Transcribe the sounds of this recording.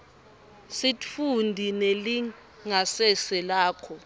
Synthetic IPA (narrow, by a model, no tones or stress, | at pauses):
sitfundʱineli | ŋasɛsɛlaːkʰɔ